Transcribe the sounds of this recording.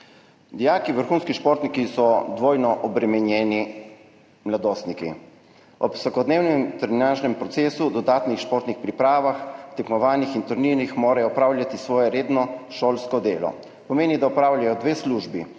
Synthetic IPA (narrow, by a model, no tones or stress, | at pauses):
d̪ijaːkiʋəɾxuːnskiʃpoːɾt̪nikisɔd̪ʋoːjnɔʔɔbɾɛmɛnjɛːni | mlad̪oːst̪nikḭ | ɔpsakɔd̪neːwnɛmt̪ɛɾinanʒnɛmpɾɔt̪seːsud̪ɔd̪aːt̪nixʃpoːɾt̪nixpɾipɾaːʋaxt̪ɛkmɔʋaːnixint̪uɾninixmoːɾajɔːpɾaːwlʲjat̪isʋɔːjɛɾeːd̪nɔʃoːlskɔd̪eːlɔ̰ | pɔmeːnid̪aɔpɾaːwljajɔd̪ʋeːsluʒbḭ